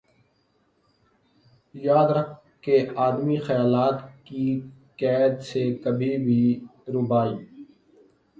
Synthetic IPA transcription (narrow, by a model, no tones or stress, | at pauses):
jaːd̪ɾəkʰ | keaːd̪mixəjaːlaːt̪kikɛːd̪sekəbʱibʱiɾʊbaːiː